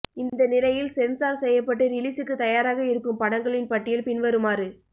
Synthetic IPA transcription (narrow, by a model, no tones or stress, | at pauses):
ɪnd̪ɐnɪlɐjɪlsɛnsaːɾsɛjːɐpːɐʈːɯɾɪliːsɯkːɯt̪ɐjaːɾaːɣɐɪɾɯkːɯmpɐɽɐŋɡɐɭɪnpɐʈːɪjɪlpɪnʋɐɾɯmaːɾɯ